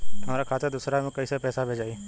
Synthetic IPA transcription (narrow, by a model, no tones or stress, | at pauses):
aɾaːkʰaːt̪ed̪ʊsɾãːkəisepɛːsaːbʱeːd͡ʒaːiː